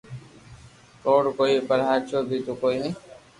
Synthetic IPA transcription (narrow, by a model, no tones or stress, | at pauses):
koːɽkoːiːpəɾɦaːt͡ʃʰoːbʱiːt̪oːkoːiːneː